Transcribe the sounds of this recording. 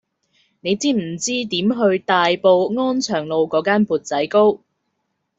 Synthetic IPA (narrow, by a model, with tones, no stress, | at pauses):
ne˨˧jt͡siː˥m̩˨˩t͡siː˥t̪iː˨˥mɦɵ˧ɥt̪aː˨˧jpo˧wŋɔː˥nt͡ʃʰœː˨˩ŋlo˨˧wkɔː˨˥kaː˥npuː˨t̚t͡sɐ˨˥jko˥w